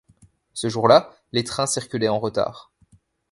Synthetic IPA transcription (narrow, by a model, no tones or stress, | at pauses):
səʒuʁla | let̪χɛ̃siʁkʲylɛɑ̃ʁət̪a̰ːʁ